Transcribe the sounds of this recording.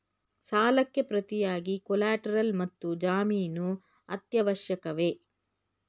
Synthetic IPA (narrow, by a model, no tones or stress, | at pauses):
saːlɐkːe̞pɾɐt̪ijaːɡikɔlaːʈɐɾɐlmɐt̪ːud͡ʒaːmiːnu | ɐt̪jɐʋɐʃjɐkɐʋe̞ː